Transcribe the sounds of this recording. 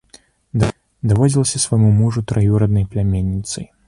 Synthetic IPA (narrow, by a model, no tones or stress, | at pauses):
d̪ | d̪avɔd͡zʲilˠɐsʲɐsvajmumuʐut̪ɾajuɾɐd̪nɐjplʲamʲenʲːit̪sɨj